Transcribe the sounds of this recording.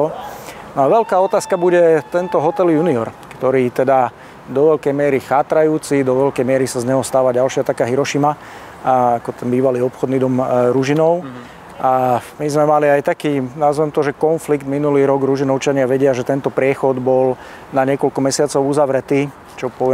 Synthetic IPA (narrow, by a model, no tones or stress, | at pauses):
nɔaʋɛlkaːɔt̪aːskabuɟɛt̪ɛnt̪ɔɦɔt̪ɛljuniɔɾkt̪ɔɾiːt̪ɛd̪a | d̪ɔʋɛʎkɛjmɪɛɾixaːt̪ɾajuːt͡sid̪ɔʋɛlkɛjmɪɛɾisazɲɛɦɔst̪aːʋaɟalʃɪat̪akaɦiɾɔʃima | akɔt̪ɛnbiːʋaliːɔpxɔd̪nid̪ɔmɾuʒinɔʊ | ʔa | mizmɛmaliajt̪akiːnazʋɛmt̪ɔʒɛkɔnfliɡd̪minuliːɾɔɡɾuʒinɔʊt͡ʃaɲɪaʋɛɟɪaʒɛt̪ɛnt̪ɔpɾɪɛxɔd̪bɔl | naɲɪɛkɔlkɔmɛsɪat͡sɔʊuzaʋɾɛt̪iː | t͡ʃɔpɔʋɪɛ